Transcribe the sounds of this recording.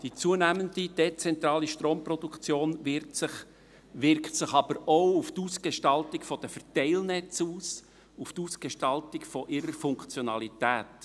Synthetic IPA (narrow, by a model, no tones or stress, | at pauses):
d̥it͡suənæməndid̥et͡sɛnt̪ɾɑːliʃtɾoːmpɾɔd̪ukt͡sjoːnvɪɾsɪχ | ʋɪɾktsɪχɑb̥əɾoʊuft̪uːsɡ̥eʃtɑltikfɔd̥əfɛɾtɛɪlnɛt͡suːs | uftuːsɡ̥eʃtɑltɪkfɔʔɪɾəɾfʊŋkt͡sjɔnɑlit̪æːt